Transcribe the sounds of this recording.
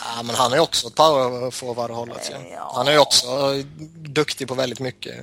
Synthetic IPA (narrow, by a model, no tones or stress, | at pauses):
aːmɛnhanhæɾjɔksɔpʰaʊɾafoːvaɾəhɔlːa̰t̪shanæɾjɔksɔ | d̪ɵkt̪ɪpʰɔvɛld̪ɪt̪mʏkːə̰